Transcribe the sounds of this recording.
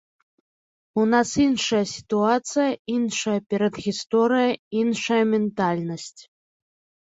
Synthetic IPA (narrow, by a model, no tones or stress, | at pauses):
unasinʂɐjɐsʲi̥t̪uat̪sɨjɐinʂɐjɐpʲɛɾɐd̪ɣʲist̪ɔɾɨjɐinʂɐjɐmʲɛnt̪alʲnɐsʲt͡sʲ